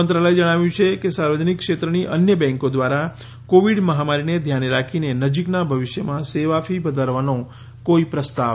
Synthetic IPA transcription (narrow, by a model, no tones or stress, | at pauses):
ənt̪ɾaləjd͡ʒəɽ̃aʋjũt͡ʃʰekesaɾʋəd͡ʒənikːʃet̪ɾəniʔənjəbɛ̃ŋkod̪ʋaɾa | koʋiɖməɦamaɾined̪ʱjaneɾakʰinenəd͡ʒiknabʱəʋɪʃjəmãseʋafʰibəd̪ʱəɾʋanõ | koipɾəst̪a